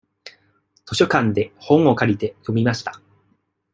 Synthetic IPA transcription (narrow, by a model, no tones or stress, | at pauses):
t̪o̞ɕo̞kãnd̪e̞hõ̞ɴ̃o̞kaɾʲit̪e̞jo̞mʲimaɕi̥t̪ḁ